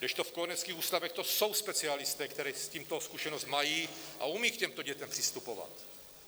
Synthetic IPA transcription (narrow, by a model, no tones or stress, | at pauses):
dɛʃt̪ofkonɛt͡skiːxuːst̪avɛxt̪osowspɛt͡sialɪst̪ɛːkt̪ɛɾɛːsciːmt̪oskuʃɛnost̪majiːʔa̰umiːkcɛmt̪oɟɛt̪ɛmpr̥ɪst̪upova̰t̪